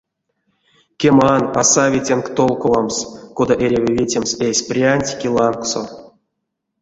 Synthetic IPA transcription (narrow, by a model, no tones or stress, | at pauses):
kʲemana̰savʲitʲenkt̪olˠkovamskod̪aʔeɾʲevʲevʲetʲemsesʲprʲianʲtʲi̥kʲilˠɑŋkso